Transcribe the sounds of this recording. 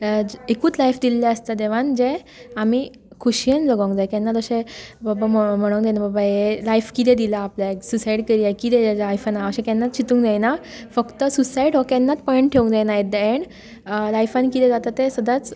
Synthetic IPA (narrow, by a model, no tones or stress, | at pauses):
ekuːt͡slajfd̪ilːaəst̪ad̪eʋ̤and͡ʑẽ | ami | kʰuɕijenləɡãŋkd͡zajkɛnːat̪əɕẽbabamm̤əɽ̃oŋkd̪enababajelajfkit̪ʰɛ̃d̪ilaːplaesusajɽkəɾiajkit̪ʰɛ̃ajfanaəɕẽkɛnːat͡st͡ɕʰit̪ũːŋd͡zajnafəkt̪əsusaiɽɦɔkɛnːat͡spɔeɳʈʈʰeũŋɡd͡zajnaeəeɳ | lajfanikit̪ʰɛ̃d͡zat̪at̪ːẽsəd̪at͡s